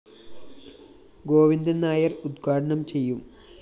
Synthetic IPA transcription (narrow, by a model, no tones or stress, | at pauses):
ɡo̞ːʋind̪ɐnaːjɐrud̪ɡʱaːʈɐɳɐmt͡ɕe̞jːum